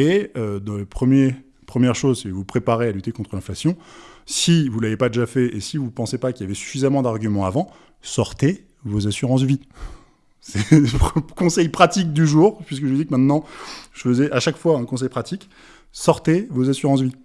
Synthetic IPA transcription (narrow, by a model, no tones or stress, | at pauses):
eød̪ɑ̃lepχəmje | pχəmjɛʁʃozsɛvupχepaʁealyt̪ekɔ̃t̪χəlɛ̃flasjɔ̃sivulavepad̪eʒafɛesivupɑ̃sepakʲiljavɛsy̥fizamɑ̃d̪aʁɡʲymɑ̃avɑ̃ | sɔʁt̪e | vozasyʁɑ̃s̬vi | sɛ | kɔ̃sɛjpχat̪ik̚d̪yʒuːʁpɥiskəʒəvud̪ikəmɛ̃t̪nɑ̃ʒ̥əfəzɛʔaʃakfwaɛ̃kɔ̃s̬ɛjpχat̪ik | sɔʁt̪evozasyʁɑ̃s̬vi